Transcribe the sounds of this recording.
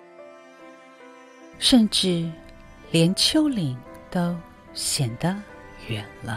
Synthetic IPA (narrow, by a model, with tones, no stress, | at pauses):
ʂə˥˧nʈ͡ʂɻ̩˥˩ | ljɛ˧˥nt͡ɕʰjo˥ʊli˨˩˦ŋt̪o˥ʊ | ɕjɛ˨˩nd̪ə˦ɥɛ˨˩˦nlə˦